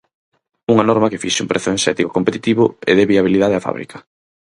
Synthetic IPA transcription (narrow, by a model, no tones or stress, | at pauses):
uŋɐnɔɾmɐkefiʃɪṵ̃mpɾeθʊensɛt̪iko̥kompet̪i̥t̪iβʊḛðeβiaβ̞iliðað̞eɐfa̰β̞ɾḭkɐ̥